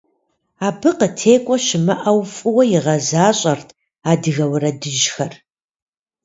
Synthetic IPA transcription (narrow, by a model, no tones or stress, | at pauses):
aːbɨqətʰeːkʷʼɔʃɪmɨʔɐwfʼɨwɐjɪʁɐzaːɕʼɐrtʰ | aːdɨɣɐwɾɐdɨʒxɐr